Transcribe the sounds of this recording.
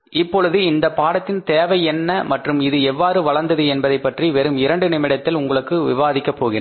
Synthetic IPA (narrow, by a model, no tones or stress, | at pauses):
ɪpːɔɻɯðɯɪnd̪ɐpaːɽɐt̪ːɪnt̪eːʋɐɪɛnːɐmɐʈrɯmɪðɯɛʋːaːɾɯʋɐɻɐɾnd̪ɐðɯɛnbɐðɐɪpːɐʈriʋɛɾɯmɪɾɐɳɖɯnɪmɪɽɐt̪ːɪlʊŋɡɐɭɯkːɯʋɪʋaːðɪkːɐpːoːɣɪnɐ